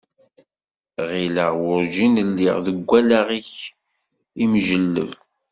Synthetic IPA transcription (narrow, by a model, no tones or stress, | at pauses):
ʁiləʁwʊɾʒinəlːḭʁðəɡʷːælaʁiç | imʒəlːə̰v